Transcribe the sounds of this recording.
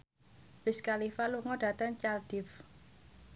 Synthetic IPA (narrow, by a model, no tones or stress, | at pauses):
b̥ɪskalifaluŋɔɖ̥ä̤t̪əŋt͡ʃald̥ɪf